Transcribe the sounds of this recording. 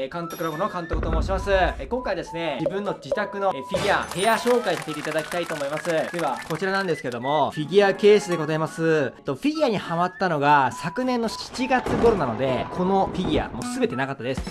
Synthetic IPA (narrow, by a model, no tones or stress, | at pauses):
kãnt̪o̞kɯɾabɯno̞kãnt̪okɯ̟t̪omo̞ːɕimasɨkõŋkaid̪e̞sɨne̞d͡ʑibɯ̟̃nːo̞d͡ʑit̪akɯ̟no̞ɸʲiɡʲiahe̞jaɕo̞ːkaisat̪et̪e̞it̪ad̪akʲi̥t̪ait̪o̞ːmo̞imasɨeβako̞t͡ɕiɾanãnd̪e̞sɨ̥ked̪o̞mo̞ɸʲiɡʲiake̞ːsɨd̪e̞ɡo̞zaimasɨt̪ːo̞ɸʲiɡʲiaɲ̟ihamat̪ːano̞ɡasakɯ̟nẽ̞nːo̞ɕi̥t͡ɕiɡat͡sɨɡo̞ɾo̞nano̞d̪e̞kʰo̞no̞ɸʲiɡʲia̰mo̞sɨbe̞t̪e̞nakat̪ːad̪e̞sɨ̥